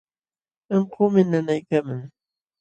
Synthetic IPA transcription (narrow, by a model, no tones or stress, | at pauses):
eɴqʰʊːmɪnanajkaːmaŋ